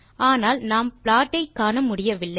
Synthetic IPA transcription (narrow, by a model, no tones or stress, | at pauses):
aːnaːlnaːmpɭaːʈːɐɪkːaːnɐmʊɽɪjɐʋɪlːɐɪ